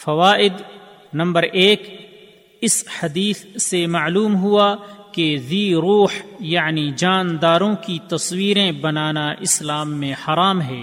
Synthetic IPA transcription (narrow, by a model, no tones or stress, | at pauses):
fɐʋaːʔɪd̪ | nɐ̃mbəɾʔeːk | ɪsħɐd̪iːssemɐːluːmɦuakeziːɾuːħjaʕnid͡ʒaːnd̪aːɾõkit̪ɐswiːɾẽbɐnaːnaʔɪslaːmːẽhɐɾaːmɦɛː